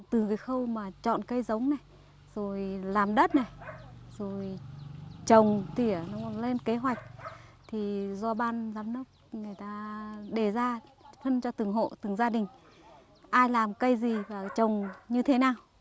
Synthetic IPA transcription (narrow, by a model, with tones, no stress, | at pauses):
t̪ɨ˨˩kaː˨˦jxə˧wmaː˨˩t͡ɕɔ̰˧˨nkə˧jzə˨˦wŋ͡mna˨˩j | z̥o˨˩jlaː˨˩mɗə˦˥t̚na˨˩jzo˨˩j | t͡ɕə˨˩wŋ͡mt̪i˧˩ənɔ˨˦˧le˧nke˨˦ɦwa˨˩jk̟̚ | t̪ʰi˨˩zɔ˧ɓaː˧nzaː˨˧˦mnɨ˦˥ək̚ŋɨ˨˩əjt̪aː˧ɗe˧˩zaː˧fə˧nt͡ɕɔ˧t̪ɨ˨˩əŋɦo̰˧˨t̪ɨ˨˩ŋzaː˧ɗï˨˩ŋ̟ | ʔaː˧jlaː˨˩mkə˧jzi˨˩vaː˨˩t͡ɕə˨˩wŋ͡mɲɨ˧t̪ʰe˨˦naː˨˩w